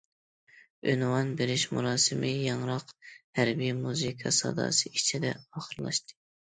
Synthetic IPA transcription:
ønwɑnbeɾɪʃmṵɾɑːsɨmɪjɑŋɾɑqhæɾbijmuzikʰɑsɑ̰d̪ɑ̰ːsɨit͡ʃʰid̪ɛ̰ɑːχəɾlˠɑ̰ʃt̪ɨ̥

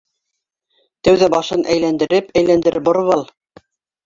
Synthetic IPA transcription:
t̪æwðæbɑʃɤnʔæjlænd̪ɘ̆ɾɘpæjlænd̪ɘ̆ɾɘbŏɾɤ̆βɑlˠ

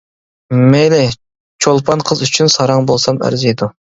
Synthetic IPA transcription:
melɪ | t͡ʃʰolˠpʰɑnqʰəzyt͡ʃʰynsɑɾɑŋbolˠsɑmæ̰ɾzejd̪u

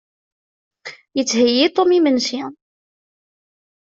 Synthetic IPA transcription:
jət͡sːhəjːit̪ˤomimənsi

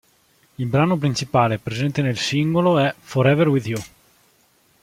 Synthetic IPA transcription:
ilbɾaːnopɾint͡ʃipaːlepɾezɛnt̪enelsiŋɡoloɛfɔɾɛverwiðju

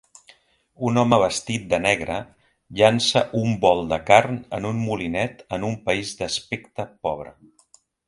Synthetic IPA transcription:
unɔməβ̞əst̪it̪̚d̪ənɛɣɾə | ʎansəʔumbɔlˠd̪əkarnənunmulinɛt̪ənumpəizd̪əspekt̪əpɔβɾə̰

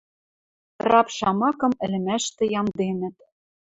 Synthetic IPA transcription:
rɑpʃɑmɑkɤ̆mɘ̆lɘ̆mæʃt̪ɘ̆jɑmd̪enɘ̆t̪

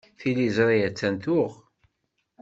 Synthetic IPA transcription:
θilizɾˤiæt͡sːænt̪ʊʁ

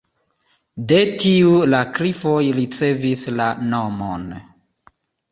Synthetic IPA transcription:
de̞tiulakɾifo̞jɾit͡se̞vislano̞mo̰n

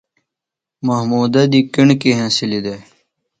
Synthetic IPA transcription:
mɐɦmuːd̪ɐd̪iːkiɳkeɦãːsilid̪e

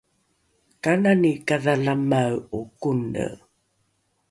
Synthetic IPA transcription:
kananikaðaɮamawukunə̰

